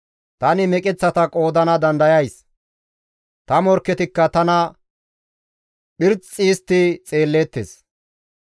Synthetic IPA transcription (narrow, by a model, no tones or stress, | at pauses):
t̪ɐnɪmɛkʼɛt͡sːɐt̪ɐkʼo̞ːd̪ɐnɐd̪ɐnd̪ɐjɐjs | t̪ɐmɔɾkːɛt̪ɪkːɐt̪ɐnɐ | ɓɪɾt͡sʼːiːst̪ːɪt͡sʼe̞ːlːeːt̪ːḛs